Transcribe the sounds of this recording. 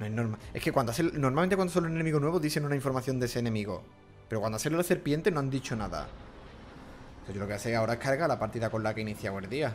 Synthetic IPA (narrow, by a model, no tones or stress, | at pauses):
noenoɾmaeske̞kwand̪oasθelnoɾmalmẽnt̪ewand̪osolunene̞miɣonwe̞βoðiθenunaĩɱfo̞ɾmaθjo̞nd̪eseːnemiɣo̞̰ | pe̞ɾokwand̪aselolaθe̞ɾpje̞nt̪enoand̪it͡ʃonaða̰ | seʝolo̞keaseao̞ɾaehkʰaɾɣalapaɾt̪iðakolakeiniθjawe̞lðia